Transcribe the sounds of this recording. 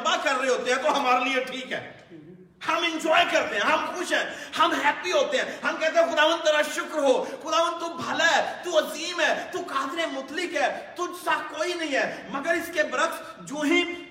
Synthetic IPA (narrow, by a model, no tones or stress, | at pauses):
bakɐɾːɦeɦoːt̪eɦɛ̃t̪oɦɐmaːɾelieʈʰiːkɦɛ̰ː | hɐmɪ̃nd͡ʒɔːjkɐɾt̪eɦɛ̃ːɦɐmxʊʃɦɛːhɐmɦɛːpiɦoːt̪eɦɛ̃ːɦɐmkɛɦt̪̬ẽɦɛ̃xʊd̪aːʋə̃nd̪̚t̪ɐɾaʃʊkɾɦoːxʊd̪aːʋənd̪̚t̪ubʱɐlaɛt̪uɐziːmɦɛːt̪ukaːd̪ɾẽmʊt̪lɪkɦɛːt̪ʊd͡ʒsakoːinɐɦĩɦɛːmɐɡəɾɪskebɾət̪s | d͡ʒõːɦĩ